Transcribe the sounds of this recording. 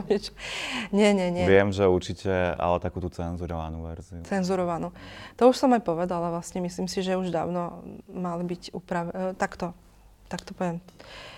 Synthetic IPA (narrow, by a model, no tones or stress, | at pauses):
ɲɛt͡ʃɔ̥ɲɛɲɛɲʋɪɛmʒɛuɾt͡ʃicɛa̰lɛt̪akuːt̪ut͡sɛnzuɾɔʋa̰nuːʋɛ̰ɾziut͡sɛnzuɾɔʋanut̪ɔuʃsɔmajpɔʋɛd̪alaʋlasɲɛmisliːmsiʒɛuʒd̪a̰ːʊnɔmalbiɟupɾaʋɛt̪akt̪ɔ | t̪akt̪ɔpɔʋɪɛm